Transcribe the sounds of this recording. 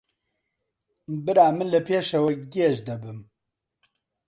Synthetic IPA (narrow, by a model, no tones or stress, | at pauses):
bɨɾaːmɨnlɐpʰeːʃɐwɐɡeːʒd̪ɐbɨm